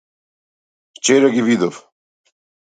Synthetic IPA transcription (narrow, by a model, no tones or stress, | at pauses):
ft͡ʃɛɾaɡivid̪ɔv